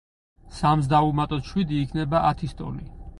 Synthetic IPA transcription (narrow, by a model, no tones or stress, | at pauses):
samzd̪aumat̪ʼɔt̪ʃwid̪iːkʰnɛbaʔat̪ʰist̪ʼɔ̰ni